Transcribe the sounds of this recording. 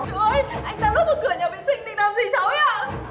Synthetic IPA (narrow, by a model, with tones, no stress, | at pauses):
t͡ɕu˧˨˦ʔə˧jʔa˧jŋ̟t̪aː˧lu˦˥t̚mo˨˩t̚kɨ˨˩əjɲə˨˩ɓḭ˧˨sï˧˩ŋt̪ḭ˨˧˨ɗa˧zi˧˩t͡ɕa˨˦wɲaː˧˩